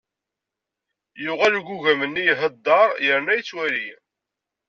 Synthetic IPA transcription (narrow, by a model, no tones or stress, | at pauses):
jʊʁæluɡuʝæmənːijɦəd̪ːɑɾˤjəɾnæjət͡sːwæli